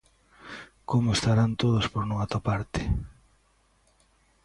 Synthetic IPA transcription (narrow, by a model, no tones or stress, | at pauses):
komʊest̪aɾant̪oð̞ospoɾnũŋat̪opaɾt̪ɪ̥